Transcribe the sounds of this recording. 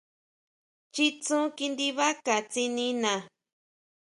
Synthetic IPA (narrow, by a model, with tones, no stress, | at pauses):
t͡ʃi˦t͡sũ˦ki˧nd̪i˧βa˦ka˨t͡si˧nĩ˧nã˨